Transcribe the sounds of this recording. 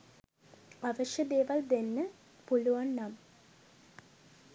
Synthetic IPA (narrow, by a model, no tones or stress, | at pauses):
aʋəʂjɐd̪eːʋɐld̪enːə | puluʋɐnːam